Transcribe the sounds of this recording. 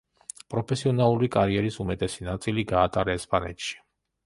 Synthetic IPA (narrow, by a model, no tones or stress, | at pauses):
pʼɾɔpʰɛsiɔnalˠuɾikʼaɾiɛɾisumɛt̪ʼɛsinat̪sʼiliɡaːt̪ʼaɾɛɛspʼanɛ̰t̪ʃi̥